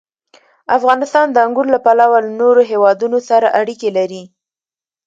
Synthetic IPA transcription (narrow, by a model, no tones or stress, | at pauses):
afɣɑnɪst̪ɑnd̪əaŋɡuɾlapalawalanoɾoɦewɑd̪unosaɾaʔaɽikelaɾi